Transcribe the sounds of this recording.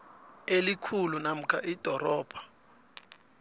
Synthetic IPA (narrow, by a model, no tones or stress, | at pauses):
elikʰulunam̩kʰaʔid̥ʱɔrɔːb̥ʱḁ